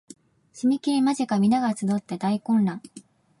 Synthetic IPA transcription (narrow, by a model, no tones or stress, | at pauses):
ɕimʲikʲiimaʑikamʲinaɡat͡sɨd̪o̞t̪ːe̞d̪aikõ̞nɾãŋ